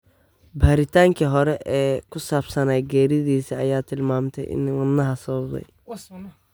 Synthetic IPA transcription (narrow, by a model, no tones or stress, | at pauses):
baːɾɪt̪ʰaːŋkʰiɦɔɾɛʔɛːkʰʊsaːbsɐnaːjɡɛːɾɪðiːsiɐjaːt̪ʰɪlmaːmt̪ʰɛ̰jʔɪ̰nwɐnːɐɦɐsɐβɐbd̪ɛ̰j